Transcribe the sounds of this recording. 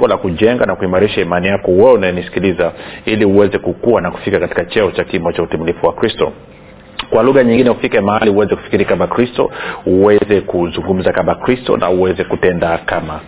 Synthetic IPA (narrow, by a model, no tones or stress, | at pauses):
ŋɡɔlakuʄɛŋɡanakuimaɾiʃaimanijakɔwɛunajɛnisi̥kilizailiuwɛzɛkukuwanaku̥fikakati̥kat͡ʃɛɔt͡ʃakimbɔt͡ʃautimilifuwakɾistɔ̰ | kwaluɣaɲiŋɡinɛufikɛmahaliuwɛzɛku̥fi̥kiɾikamakɾistɔ̰uwɛzɛkuzuŋɡum̩zakamakɾistɔ̰nʔa̰uwɛzɛkutɛndakama